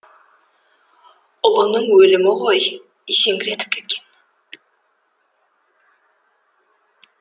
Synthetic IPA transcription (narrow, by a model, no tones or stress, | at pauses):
olˠonuɴwølymoʁoj | isiŋɡiɾet̪ip̚ke̥t̪̚ken